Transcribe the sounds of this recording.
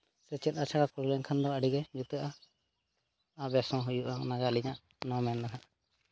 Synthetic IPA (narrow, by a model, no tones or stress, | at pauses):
sɛt͡ʃɛt̪̚ˀat͡ʃʰaɽakuɾlɛŋkʰand̪ɔaɽiɡɛd͡ʒut̪ɛʔa | abɛsɔ̃ɦujuʔanaɡaliɲaʔ | nɔ̃mɛnd̪akʰana